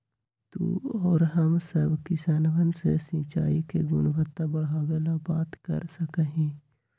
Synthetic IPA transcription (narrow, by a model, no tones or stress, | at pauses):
t̪ṵɔːɾɦəmsəbkisaːnʋənsḛsĩːt͡ʃaːikeɡʊnbʱət̪ːabəɽaːwelabaːt̪kə̰ɾsəkəɦĩː